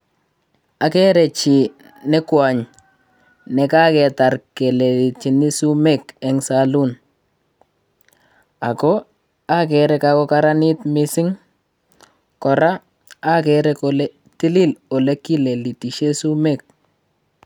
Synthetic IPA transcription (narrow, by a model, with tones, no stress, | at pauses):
a˨kɛ˦ɾɛ˨t͡ʃi˨ | nɛ˦kwa˨ɲ | nɛ˨ka˦kɛ˨ta˨rke˨le˨li˨t͡ʃi˨ni˦su˦mɛ˦kɛ˨ŋsa˦lu˦n | a˨ko˦ | a˦kɛ˨ɾɛ˦kako˦ka˦ɾa˦nɪ˦tmɪ˦sɪ˦ŋ | kɔ˨ɾa˦ | a˦kɛɾɛ˦kole˦ | ti˦lɪ˦lo˨le˦kːi˦le˨li˨ti˨ʃe˦su˦me˨k̚